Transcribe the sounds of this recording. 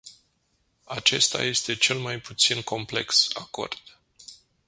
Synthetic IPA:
at͡ʃe̞̰st̪a̰je̞st̪e̞t͡ʃe̞lmajput̪sinko̞mple̞ksa̰ko̞̰rd̪̥

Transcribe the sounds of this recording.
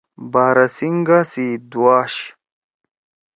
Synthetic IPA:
baːɾɐsiŋɡasid̪waːɕ

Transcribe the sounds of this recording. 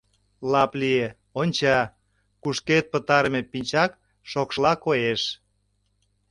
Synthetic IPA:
lɑplie | onʲt͡ɕɑ | kuʃket̪̚pə̆t̪ɑɾəmepinʲt͡ɕɑk | ʃokʃlɑkojeʃ

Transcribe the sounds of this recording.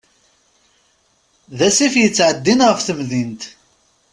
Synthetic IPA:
ðæsifjət͡sːʕəd̪ːinʁəfθəmðint̪

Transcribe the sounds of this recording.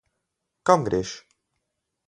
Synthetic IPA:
kãŋɡɾeʃ

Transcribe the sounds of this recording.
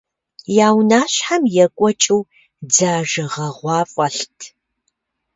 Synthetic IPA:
jaːwnaːɕħamjɛkʷʼɔt͡ʃʼɨw | d͡zaːʒɐʁɐʁʷɑːfʼɐɬtʰ

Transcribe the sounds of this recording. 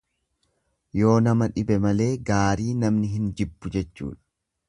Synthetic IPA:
jo̞ːnɐmɐᶑɪbɛmɐle̞ːɡaːɾiːnɐmnɪɦɪnd͡ʒɪbːʊd͡ʒɛt͡ʃːṵːᶑɐ̥

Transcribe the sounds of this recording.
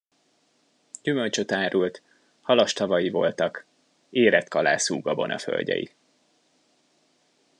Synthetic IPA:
ɟ̥ymø̞lt͡ʃøt̪aːɾult̪ | hɒlɒʃt̪ɒvɒjivo̞̰lt̪ɒk | eːɾɛt̪kɒlaːsuːɡɒbo̞̰nɒ̰fø̞̰lʲɟɛ̰jḭ

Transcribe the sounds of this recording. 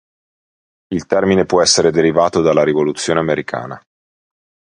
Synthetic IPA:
ilt̪ɛrminepwɔɛsːeɾed̪eɾivaːt̪od̪alːaɾivolut̪sːjoːneameɾikʰa̰ːna̰

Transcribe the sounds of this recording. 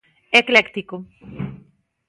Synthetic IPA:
eklekt̪iko

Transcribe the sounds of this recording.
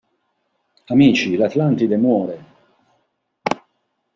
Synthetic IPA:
amiːt͡ʃilat̪lant̪id̪emwɔːɾe

